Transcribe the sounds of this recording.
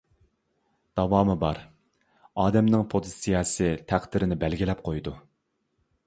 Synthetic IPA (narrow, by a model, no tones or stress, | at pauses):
d̪̥ɑwɑːmɨbɑɾ | ɑːd̪ɛmnɪŋpʰozɨsijɑsɨt̪ʰæχd̪ɪɾɪnɪbɛlɡʲilɛp̚qʰojd̪u